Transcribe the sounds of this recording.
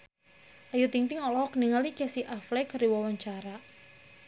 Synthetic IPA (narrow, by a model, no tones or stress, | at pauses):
ʔajut̪iŋt̪ɪŋɔlɔɦɔkəniŋalikɛsiʔaflɛkəɾiwɔwaɲt͡ʃaɾa